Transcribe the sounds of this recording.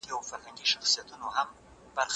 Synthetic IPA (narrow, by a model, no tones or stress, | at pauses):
iawfaɾhaŋɡiʃaxsijat̪unoham | b̥aɾx